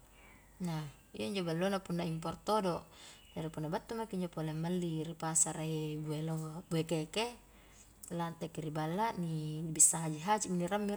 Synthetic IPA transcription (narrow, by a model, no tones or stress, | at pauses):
na | ijaiɲd͡ʒobalːonapunːaimp̬ɔrt̪odod͡ʒaɾipunːabat̪ːumakiiɲd͡ʒopolemːalːiɾipasaɾaibuelobuekeke | lant̪ekiɾibalːaʔnibisːaɦad͡ʒiɦad͡ʒiminiɾamːir